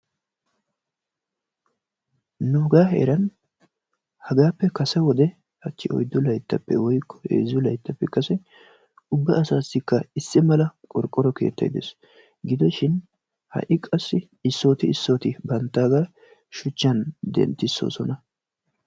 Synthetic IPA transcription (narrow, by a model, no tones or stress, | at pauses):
nʊɡaːɦḛːɾɐn | hɐɡaːpːɛkɐsɛwɔd̪ɛ | ɐt͡ʃːɪɔ̰jd̪ːɔlɐjt̪ːɐpːɛwɔjkːɔ̥hḛːzːɔlɐjt̪ːɐpːɛkɐsɛ | ʊbːɐʔɐsaːsːɪkːɐɪsːɪmɐlɐkʼɔɾkʼːɔɾɔke̞̰ːt̪ːɐ̰jd̪ɛs | ɡɪd̪ɔʃɪn | hɐ̰ʔɪkʼɐsːɪ | ɪsːo̞ːt̪ɪɪsːo̞ːt̪ɪbɐnt̪ːaːɡaː | ʃʊt͡ʃːɐnd̪ɛ̰nt̪ːɪsːo̞̰ːsɔnɐ